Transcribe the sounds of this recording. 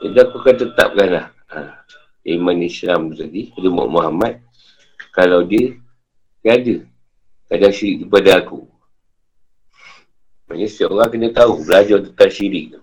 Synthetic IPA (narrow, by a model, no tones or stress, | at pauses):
adaakukant̪ət̪a̰p̚kanlah | a̰ | a̰imanislamtəsaɡiadəmɔ̰ʔmuɦamat̪̚ | kalawdiə | kadə | kadaŋʃiɾɪk̚kipadaakṵ | ma̰nəsəo̰ɣaŋkənət̪aubəlad͡ʒɔt̪ət̪aʃiɾɪk̚t̪u